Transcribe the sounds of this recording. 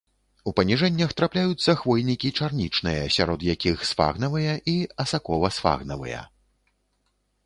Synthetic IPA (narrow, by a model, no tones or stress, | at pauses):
upɐnʲiʐɛnʲːɐxt̪ɾaplʲajut̪sːɐxvɔjnʲikʲit͡ʂarnʲit͡ʂnɨjɐsʲaɾɔd̪jakʲixsfa̰ɣnɐvɨjɐʔiɐsakɔvɐsfa̰ɣnɐvɨ̰jɐ̰